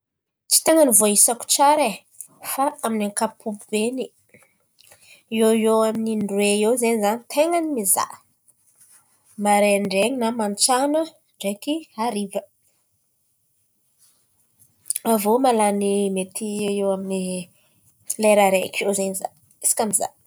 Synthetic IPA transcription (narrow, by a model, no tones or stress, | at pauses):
t͡ʃi̥t̪eŋənivoaisaku̥t͡ʃaɾe | faaminaŋkapʰubbeni | ieewamininɖ͡ʐweewzeɲizanit̪ʰeŋanimiza̰ | maɾeɳɖ͡ʐeŋinamant͡ʃanə | ɳɖ͡ʐekiaɾivə | avomalanimet̪ʰieewamini | leɾaɾekewzeniza̰ | isi̥kʲamiza̰